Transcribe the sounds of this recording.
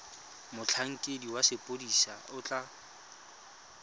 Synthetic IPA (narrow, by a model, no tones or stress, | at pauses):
mʊt͡ɬʰaŋ̩kʼediwasɪpʼodisaʊt͡ɬʼa